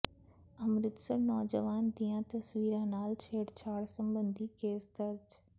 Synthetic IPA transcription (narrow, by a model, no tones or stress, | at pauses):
ɐmɾɪt̪səɾnɔːd͡ʑəʋaːnd̪iːjãt̪ɐsʋiːɾãːnaːlt͡ɕʰeːɽt͡ɕʰaːɽsɐ̃mbə̃nd̪ʱikeːsd̪ɐɾd͡ʑ